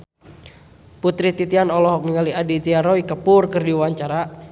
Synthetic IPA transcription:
put̪ɾit̪it̪ianɔlɔɦɔk̚niŋaliadit̪iaɾɔikəpʊrkɨrdiwaɲt͡ʃaɾa

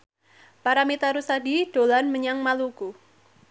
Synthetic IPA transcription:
paɾamit̪aɾusadiɖ̥o̤lanməɲaŋmaluku

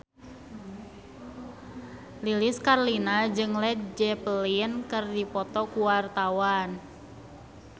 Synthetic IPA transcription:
lilɪskarlinad͡ʒɨŋlɛt̪̚d͡ʒɛplinkɨrdipɔt̪ɔkuwart̪awan

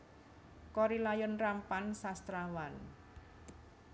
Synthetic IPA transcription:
kɔɾilajɔnrampansast̪ɾawan

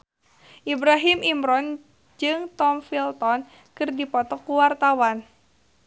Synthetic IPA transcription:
ʔibɾaɦimimɾɔn | d͡ʒɨŋt̪ɔmfilt̪ɔn | kɨrdipɔt̪ɔkuwart̪awan

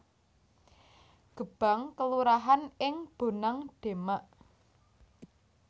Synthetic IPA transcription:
ɡ̥ə̤b̥a̤ŋkəluɾaɦanɪŋb̥o̤naŋɖ̥e̤maʔ

